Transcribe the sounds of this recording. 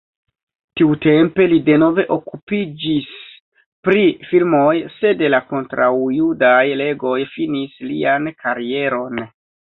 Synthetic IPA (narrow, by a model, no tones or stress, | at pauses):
tiute̞mpe̞lide̞no̞ve̞ʔo̞kupid͡ʒis | pɾifilmo̞jse̞delako̞ntɾawjudajle̞ɡo̞jfinislḭankʰaɾie̞ɾo̞n